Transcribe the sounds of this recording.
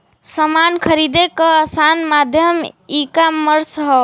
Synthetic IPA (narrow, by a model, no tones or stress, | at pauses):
səmankʰəɾid̪ekəəsanmad̪ʱjəmikaməɾsɦɔ